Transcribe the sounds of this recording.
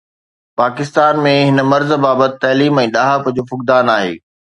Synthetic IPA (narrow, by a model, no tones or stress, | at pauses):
paːkɪst̪aːnmẽɦɪnə̆mɐɾzbaːbət̪ɪt̪ɐːliːmɛ̃ːɗaːɦapɐd͡ʑoːfʊkd̪aːnaːɦḛː